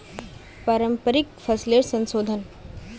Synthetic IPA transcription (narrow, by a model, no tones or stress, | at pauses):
pɐɾəmpəɾɪkfʰɐsleʈsɐ̃nsoːd̪ʱən